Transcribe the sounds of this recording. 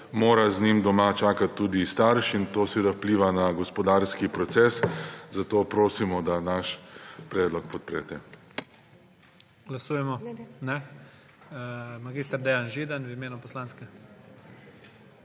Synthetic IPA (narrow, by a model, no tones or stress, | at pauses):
moːɾaznimd̪ɔmat͡ʃaːkat̪ːuːd̪ist̪aɾʃint̪oːsʋeːd̪awpliːʋanaɡɔspɔd̪aɾskipɾɔt̪sɛszat̪oːpɾoːsimɔd̪anaʃpɾɛːd̪lɔk̚pɔt̪̚pɾɛt̪ɛ | ɡ̥lasuːjɛmɔnɛ | maɡist̪aɾd̪ɛjanʒiːd̪anwimeːnupɔslaːnskɛ